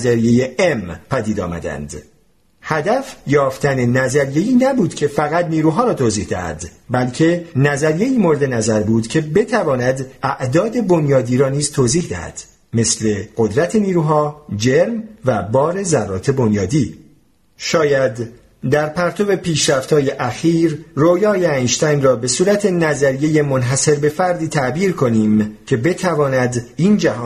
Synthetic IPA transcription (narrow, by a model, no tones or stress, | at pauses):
zæɾijejeempʰæd̪iːd̪ɒ̰ːmæ̰d̪æ̰nd̪̥ | hæd̪æfjɒːft̪æne̞næzæɾije̞iːnæbuːd̪̥cʰe̞fæɣæt̪niːɾuːɦɒːɾɒːt̪ʰoːziːhd̪æ̰hæ̰d̪bælcʰe̞næzæɾije̞iːmo̞ɾed̪e̞næzæɾbuːd̪cʰe̞be̞t̪ʰævɒːnæd̪æʔd̪ɒːd̪e̞bo̞njɒːd̪iːɾɒːniːzt̪ʰoːziːhd̪æhæ̰d̪̥ | me̞sle̞ɢ̥o̞d̪ɾæt̪ʰe̞niːɾuːɦɒːd͡ʒe̞ɾmvæbɒːɾe̞zærːɒ̰ːt̪ʰe̞bo̞njɒːd̪iː | ʃɒːjæd̪ | d̪æɾpʰæɾt̪ʰobe̞pʰiːʃɾæft̪ʰhɒːje̞ʔæxiːɾrojɒːjeæjʃt̪ænrɒːbe̞suːɾæt̪ʰe̞næzæɾije̞je̞monɦæse̞ɾbe̞fæɾd̪iːt̪ʰæʔbiːɾkʰo̞niːmcʰe̞be̞t̪ʰævɒːnæd̪ind͡ʒæɦɒːn